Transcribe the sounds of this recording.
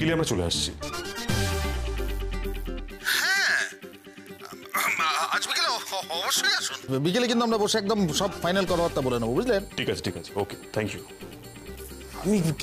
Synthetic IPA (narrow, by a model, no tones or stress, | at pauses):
keliamɾat͡ɕolḛa̰ʃt͡ɕʰḭ | hɛ̃ | aʃbekeleɔboʃːojaʃunbikelek̬int̪uamɾaboʃeɛk̚d̪omʃɔbfajnalkɔt̪ʰaɔɾt̪ːabolenebobud͡ʑlenʈʰikat͡ɕʰe̥ʈʰikat͡ɕʰe̥oke̥t̪ʰɛŋkju | ami